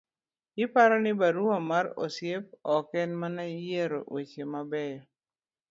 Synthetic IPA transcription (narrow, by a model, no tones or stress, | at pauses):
ɪpaɾɔnɪbaɾuamaɾɔ̰sjep̚ɔkɛnmanajeɾo̰ʔwet͡ʃemabɛjɔ